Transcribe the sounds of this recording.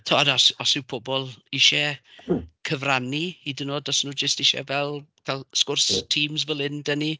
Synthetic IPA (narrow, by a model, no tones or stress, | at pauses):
tʰɔadɔsɔsɪwpʰɔbɔlˠɪʃɛ | kʰəvraniidɪnoːdɔsnuːd͡ʒəstɪʃɛ̰vɛlˠkʰalˠskʊrstʰiːmzvəlˠɪndəni